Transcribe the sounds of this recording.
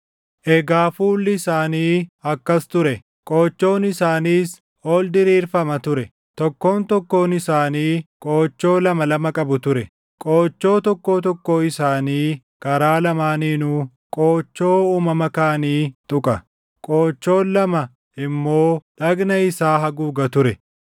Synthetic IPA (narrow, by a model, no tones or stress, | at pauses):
ʔɛɡaːfuːlːɪɪsaːniːɐkːɐst̪ʊɾɛ | kʼoːt͡ʃːo̞ːnɪsaːniːs | oːld̪ɪɾiːɾfɐmɐt̪ʊɾɛ | t̪ɔkːo̞ːnt̪ɔkːo̞ːnɪsaːniːkʼoːt͡ʃːo̞ːlɐmɐlɐmɐkʼɐbʊt̪ʊɾɛ | kʼoːt͡ʃːo̞ːt̪ɔkːo̞ːt̪̬ɔkːoːɪsaːniː | kɐɾaːlɐmaːniːnuː | kʼoːt͡ʃːo̞ːuːmɐmɐkaːniːt̪ʼʊkʼɐ | kʼoːt͡ʃːo̞ːnlɐmɐ | ɪmːoːᶑɐɡnɐɪsaːɦɐɡuːɡɐt̪ʊɾɛ